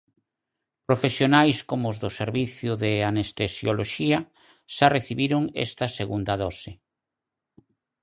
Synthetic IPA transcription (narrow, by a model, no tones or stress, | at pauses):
pɾofesjonajskomoʊzðʊseɾβiθjʊðeanest̪esjoloʃiɐ | ʃareθiβiɾʊŋɛ̰st̪ɐseɣund̪ɐðɔsɪ